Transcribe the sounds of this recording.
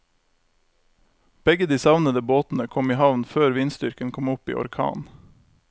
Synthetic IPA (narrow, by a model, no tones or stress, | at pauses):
b̥ɛɡəd̪iːsɑʋnəd̪əboːt̪n̩əkʰɔmiːhɑʋnføːɾʋiːnst̪ʏɾkənkʰɔmʊpḭːʔɔ̰ɾkʰɑ̰ːn